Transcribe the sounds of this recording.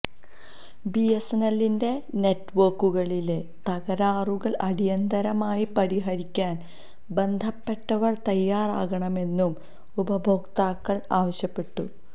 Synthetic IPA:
biesenɐlːinde̞ne̞tːʋorkːuɣɐɭile | t̪ɐɣɐɾaːruɣɐɭʔɐɾijɐnd̪ɐɾɐmaːjipɐɾiɦɐɾikʲːaːn | be̞nd̪ʱɐpːe̞ʈːɐʋɐrt̪ɐjːaːra̰ːɣɐɳɐme̞nːum | ubɐbʱoːkt̪aːkːɐɭaːʋɐɕjɐpːe̞ʈːṵ

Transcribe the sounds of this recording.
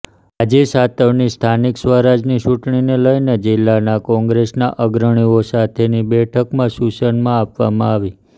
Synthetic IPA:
ad͡ʒesat̪əʋnist̪ʰaniksʋəɾad͡ʒnit͡ʃuʈɳineləined͡ʒɪlːanakɔ̃ŋɡɾesnaʔəɡɾəɳ̃iosat̪ʰenibɛʈʰəkmãsusənmãapʋamãaʋi

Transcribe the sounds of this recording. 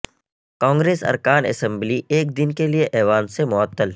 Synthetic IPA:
kãːŋɡɾeːsɐ̰ɾkaːnɐ̰sɛ̃mblieːk̚d̪ɪnkelieʔɛːʋaːnsemʊət̪ːəl

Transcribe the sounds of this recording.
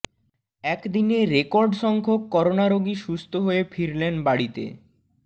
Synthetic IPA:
ɛkd̪ineɾekɔɾɖʃɔŋkʰokːɔɾonaɾoɡiʃust̪ʰoɦoefʰiɾlenbaɽit̪ḛ

